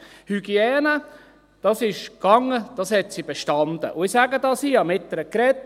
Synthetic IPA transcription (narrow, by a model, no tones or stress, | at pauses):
hyɡ̥iɛːnə | d̥ɑsɪʃkɑŋːəd̥ɑshɛt̪sib̥eʃtɑnd̥̪ə̰ʔʊɪsæɡədɑsiɑmɪt̪ːəɾəkɾɛt